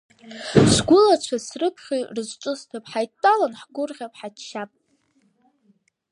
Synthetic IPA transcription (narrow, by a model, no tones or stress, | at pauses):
sɡʷʊlat͡ʃʷʰasrɨpʰχʲirɨzʷʈ͡ʂʷʼʊstʰapʼħajtʼːalanħɡʷʊrʁʲapʼħatʃapʼ